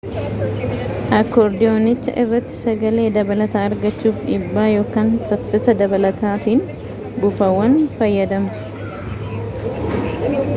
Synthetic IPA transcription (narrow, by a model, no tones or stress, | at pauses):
ʔɐkːoːɾd̪ɪjoːnɪt͡ʃːɐ̰ʔɪrːɐt̪ːɪ̥sɐɡɐle̞ːd̪ɐbɐlɐt̪aːɐɾɡɐt͡ʃːuːfᶑɪbːaːjo̞ːkaːnsɐfːɪsɐd̪ɐbɐlɐt̪aːt̪iːn | bʊfɐwːɐnfɐjːɐd̪ɐmɐ